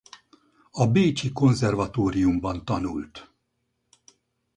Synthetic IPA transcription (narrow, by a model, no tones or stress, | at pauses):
ɒbeːt͡ʃiko̞nzɛrvɒt̪oːɾijumbɒnt̪ɒnṵlt̪